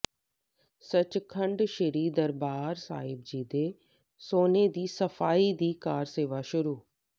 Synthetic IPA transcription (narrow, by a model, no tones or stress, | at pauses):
sət͡ʃkʰəɳɖʃəɾiːd̪əɾbaːɾsa̰ːɪb̚d͡ʒiːd̪eː | soːneːd̪iːsəfʰaːiːd̪iːkaːɾseːʋaːʃʊɾuː